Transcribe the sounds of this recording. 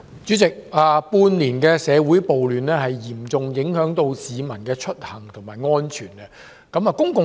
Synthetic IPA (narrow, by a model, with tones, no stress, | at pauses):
t͡syː˨˥t͡sɪ˨k̚aː˨˧puː˧nliː˨˩nkɛː˧sɛː˨˧wuː˨˥jpo˨wlyː˨nlɛː˥hɐ˨jːiː˨˩mt͡sʊ˨ŋjɪ˨˥ŋhœː˨˥ŋt̪o˧wsiː˨˧mɐ˨˩nkɛː˧t͡ʃʰɵ˥t̚hɐ˨˩ŋt̪ʰʊ˨˩ŋmaː˨˩jŋɔː˥nt͡ʃʰyː˨˩nɛ˧ | kɐ˨˥mɐ˨˧kʊ˥ŋkʊ˨